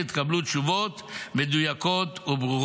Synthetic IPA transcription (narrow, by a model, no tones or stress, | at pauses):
it̪kablut̪ʃuvot̪med̪ujako̞t̪ubʁuʁ